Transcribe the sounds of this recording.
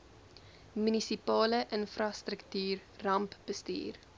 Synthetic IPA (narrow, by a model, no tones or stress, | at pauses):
mynisipɑːləʔənfrɑstɾəktyːrːɐmpb̥əsty̰ːr